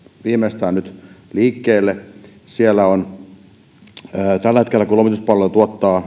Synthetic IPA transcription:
ʋiːmeˑst̪æːnnyt̪liːkːeːlːe | sielːæon | t̪ælːæhet̪kelːækulomit̪uspɑlːelt̪uot̪ːɑː

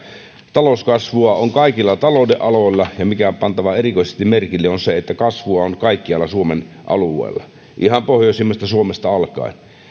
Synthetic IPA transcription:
t̪ɑloskɑsʋuɑoŋkɑikilːɑt̪ɑloˑudeʔɑloˑilːɑjɑmikæpɑnt̪ɑʋɑerikoisest̪imerkilːeonseet̪ːækɑsʋuɑonkɑikːiɑlːˑɑsuomen | ʔɑ̰luˑḛˑːlːɑ | ʔihɑmpohjoˑsimːost̪ɑsuomest̪ɑɑlkɑ̰in

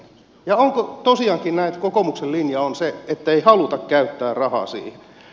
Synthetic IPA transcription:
jɑoŋkot̪osiɑŋkinnæit̪kokomuksellinjɑonseet̪ːæeihɑlut̪ɑkkæyt̪ːæːrrɑhɑ̰ːsḭːhe

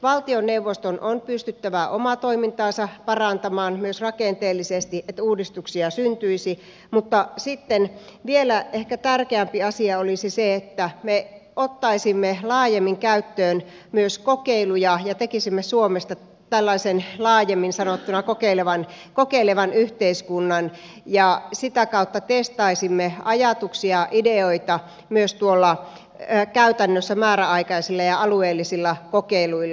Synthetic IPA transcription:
ʋɑlt̪ionneuʋːost̪onʔonpyst̪yt̪ːæʋæʔomɑt̪oimint̪ɑːsɑpɑrɑnt̪ɑmɑːnmyøsrɑkent̪eːlːisest̪iʔet̪ːæuːdist̪uksiɑsynt̪yisi | mut̪ːɑsit̪ːenʋielæehkæt̪ærkeæmpiɑsiɑolisiseet̪ːæmeot̪ːɑisimːelɑːjemːiŋkæyt̪ːøːn | myøskokeilujɑjɑt̪ekisimːesuomest̪ɑ | t̪ælːɑisenlɑːjemːinsɑnot̪ːunɑkokeileʋɑn | kokeileʋɑnyht̪eiskunːɑn | jɑsit̪ækɑut̪ːɑt̪est̪ɑisimːeɑjɑt̪uksiɑʔideoit̪ɑ | myøst̪uolːɑ | kæyt̪ænːøsːæmæːɾæɑikɑisilːɑjɑɑlueːlːisilːɑkokeiluilː

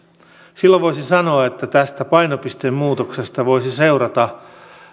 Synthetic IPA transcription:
silːoʋoisinsɑno̞ɑet̪ːæt̪æst̪æpɑjnopist̪emmuːt̪oksest̪ɑʋo̞jsise̞urɑt̪ɑ

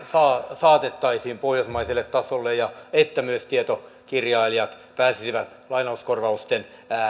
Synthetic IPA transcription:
sɑːsɑːt̪et̪ːɑisiːmpohjosmɑiselːet̪t̪ɑsolːejjɑet̪ːæmyøst̪iet̪o | kirjɑiliɑt̪ | pæːsisiʋæt̪lɑinɑuskorʋɑust̪en

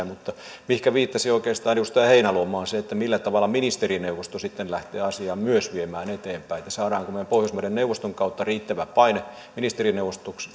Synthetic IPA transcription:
mut̪ːɑmihkæʋiːt̪ːɑsioikeːst̪ɑːnjust̪æːheinælomɑːnseet̪ːæmilːæt̪ɑʋɑlːˑɑminist̪erineuʋost̪osit̪ːenlæht̪eːɑsiɑːmmyøsʋiemæːnet̪eːmpæiet̪ːæsɑːɾɑːŋkumempohjosmuɾenneuʋost̪oŋkɑut̪ːɑriːt̪ːæʋæpɑine | minist̪erineuwʋost̪oks

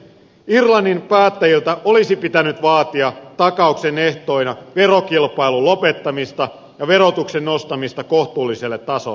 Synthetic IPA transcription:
irlɑnːinpæːt̪ːæjilt̪æʔo̞lisipit̪ænyt̪ʋɑːt̪iɑt̪ɑkɑukseneht̪o̞ijnɑʋe̞ro̞kilpɑilulo̞pet̪ːɑmist̪ɑ | jɑʋe̞ɾo̞t̪uksenːo̞st̪ɑmist̪ɑkoht̪uːlːiselːet̪ːɑso̰l

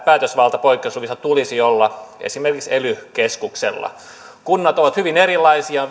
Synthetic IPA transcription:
pæːt̪øsʋɑlt̪ɑpoikːeusluʋisɑt̪ulisiolːɑḛsimerkikselykeskuksḛlːɑ̰ | kunːɑt̪oʋɑt̪hyʋinerilːɑisiɑ

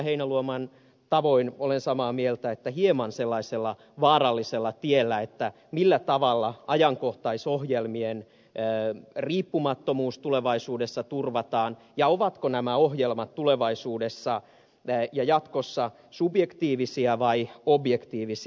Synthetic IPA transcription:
heinæluomɑn | t̪ɑʋo̞inolensɑmɑːmielt̪æet̪ːæhiemɑnselːɑiselːɑ | ʋɑːɾɑlːiselːɑt̪ielːæet̪ːæ | milːæt̪ɑʋɑlːɑɑjɑŋkoht̪ɑisohjelmien | riːpːumɑt̪ːomuːst̪uleʋɑisuːdesːɑt̪urʋɑt̪ɑːn | jɑoʋɑt̪konæmæoɦjelmɑt̪tuleʋɑisuːdesːɑ | jɑjɑt̪kosːɑ | subjekt̪iːʋisiæʋɑiobjekt̪iːʋis

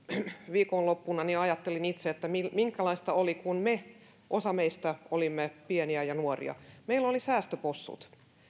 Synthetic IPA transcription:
ʋiːkonlopːunɑniɑjɑt̪ːelinit̪seet̪ːæmilmiŋkælɑist̪ɑolikunme | ʔosɑmeist̪æolimːepieniæjɑnuorḭɑ̰meilolisæːst̪øposːṵt̪

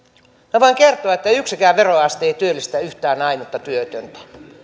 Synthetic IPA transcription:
neʋoiŋkert̪oɑet̪ːæyksikæːʋeroɑst̪eit̪yølːist̪æyht̪æːnɑimut̪ːɑt̪yøt̪ønt̪æ̥

